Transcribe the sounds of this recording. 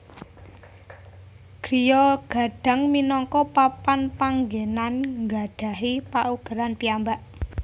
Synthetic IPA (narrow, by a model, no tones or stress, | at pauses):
ɡ̥ɾijɔɡ̥a̤ɖ̥a̤ŋminɔŋkɔpapanpaŋɡenanŋɡaɖ̥ä̤ɦipaʔuɡ̥ə̤ɾanpiambaʔ